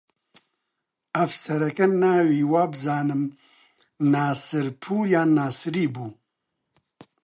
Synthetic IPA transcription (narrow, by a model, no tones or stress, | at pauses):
ɐfsɛɾɛkɛnaːwiːwaːbɨzaːnɨm | naːsɨɾpʰuːɾjaːnaːsɨɾiːbuː